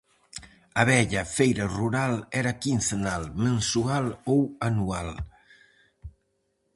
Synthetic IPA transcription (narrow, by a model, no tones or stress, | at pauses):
aβɛʎafejɾaruɾalɛɾakinθenalmensualowanual